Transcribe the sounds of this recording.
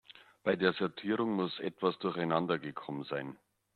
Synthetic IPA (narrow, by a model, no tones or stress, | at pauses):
b̥aɪdeːɐzɔɐtʰiːʁʊŋmʊsʔɛ̰tv̥asd̥ʊɐçaɪnandɐɡəkʰɔmənzaɪn